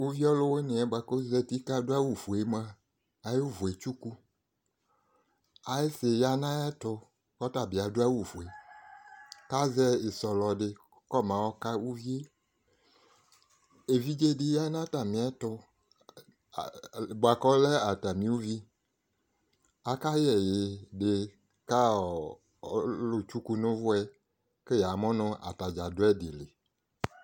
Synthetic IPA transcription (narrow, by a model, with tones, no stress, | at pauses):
wu˦vi˦ɔ˦lo˦wwo˦nẽ˨a˨ba˨ko˦zɛ˦t̪i˦ka˦do˦a˦wu˨fu˨e˦mã˦ | a˨jo˦vu˨e˨t͡ʃu˦ku˦ | a˨je˦se˨ja˦nã˦jɛ˦tʊ˨ | kɔ˦ta˨bi˨a˨do˦a˦wu˨fu˨e˨ | ka˦zɛ˦e˨sɔ˨lɔ˨ɖɪ˦ | kɔ˦mã˨wɔ˦ka˦wu˦vi˦e˦ | e˨vi˦d͡ʒe˦ɖi˦ja˦nã˦t̪a˨mĩ˨a˦t̪ʊ˦˨ | bo˨a˨kɔ˦lɛ˦a˨t̪a˨mĩ˦wu˦vi˦ | a˨ka˦jɛ˨je˨ɖe˦ | ka˦˨˦ | lo˨t͡ʃu˦ku˦nõ˦vʊ˦ɛ˦ | ke˦ja˨mɔ̃˦nɔ̃˦ʔa̰˨t̪a˨d͡ʒa˨do˦ɛ˦de˨le˨